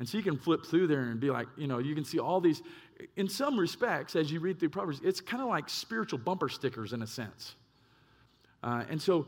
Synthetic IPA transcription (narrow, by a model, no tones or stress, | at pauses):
ɨ̃nsoʊjɨkɨ̃nflɪp̚θɹʉðə˞ɨ̃nbila̰ɪk̚jɨñoʊjɨkɨ̃n̩siʔɔlˠðiz | ɨ̃nsʌ̃mɹɨspɛk̚tsɨzjɨɹid̪̚θɹʉpʰɹ̥ɑvə˞zɪtskʰãɪ̃ndəlaɪkspɪɹɨt͡ʃul̩ˠbʌ̃mpə˞stɪkə˞zɨ̃nɨsɛ̰̃ns | ʔʌɨ̰̃nsoʊ